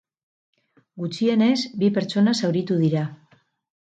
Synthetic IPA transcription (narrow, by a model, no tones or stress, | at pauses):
ɡut͡ʃie̞ne̞zbipe̞ɾt͡ʃo̞nasawɾit̪uð̞iɾa